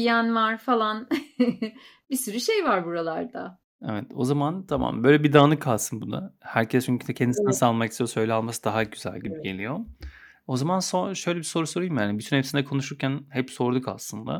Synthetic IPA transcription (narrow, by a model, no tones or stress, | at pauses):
ijænvaɾfalˠan | bisyɾyʃejvaɾbuɾalˠaɾd̪a | evɛt̪ʰo̞̰zamant̪ʰama̰mbø̞jlʲɛbid̪aːnɯkʰalˠsɯnbuna̰hæɾcʰɛst͡ʃʰyɲcʰyd̪ɛcʰend̪isinɛsalˠmaki̥st̪ʰijosø̞jlʲɛalˠmasɯd̪aɦaɟyzæ̰lʲɟibiɟe̞lʲijo̞ | o̞zamansoʃø̞jlʲɛbiso̞ɾuso̞ɾujmjaːnibyt̪ʰynhepsinɛkʰo̞nuʃuɾcʰænhɛpso̞ɾd̪uka̰slˠɯnd̪a̰